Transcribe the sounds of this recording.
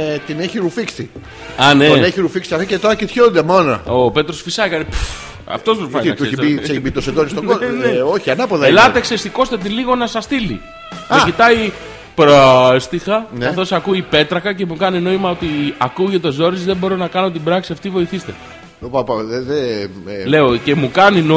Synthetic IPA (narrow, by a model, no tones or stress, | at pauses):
t̪ineçiɾufiksi | ɐneneçiɾufiksiɐft̪icet̪oɾɐcit̪çond̪emonɐ̰ope̞t̪ɾosfisɐkɐnipu | ɐ̰ft̪o̞st̪uɾufɐinɐkt̪uesçiiseibit̪osed̪onist̪oɡooçiɐnɐpoðɐelɐt̪eksest̪iko̞st̪et̪̬iliɣo̞nɐsɐst̪ilḭ | mecit̪ɐi | pɾoest̪ixɐnɐθo̞sɐkuipe̞t̪ɾɐkɐce̞mukɐnino̞imɐo̞t̪iɐkuʝet̪o̞zo̞ɾizðebo̞ɾo̞nɐkɐno̞t̪ibɾɐksiɐft̪ivo̞iθist̪e̞̰ | opɐpɐðele̞oce̞mukɐnino